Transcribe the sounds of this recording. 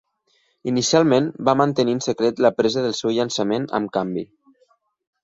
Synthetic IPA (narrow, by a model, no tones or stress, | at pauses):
inisialˠmẽnbamənt̪əniənsəkɾet̪ləpɾezəðəlˠsewʎənsəmenə̰mkambi